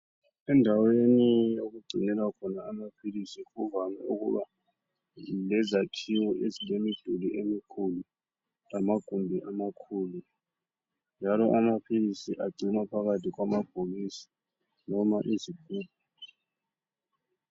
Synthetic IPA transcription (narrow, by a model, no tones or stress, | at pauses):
ɛndʱawenijoɣuɡ͡ǀʱinɛlwakʰɔnaːmapʰilisiuvamɛuɣṵβa̰ | lɛzatʰiwɔʔezilemid̥ʱuliʔemikʰulu | lamaɡ̥ʱumbʱiʔamakʰuːlu | nd͡ʒʱalɔʔamapʰilisiʔaɡ͡ǀʱimapʰaɣatʰiɣwamab̥ʱoɣisi̥ | nɔmaʔiziɡ̥ʱuːb̚ʱɔ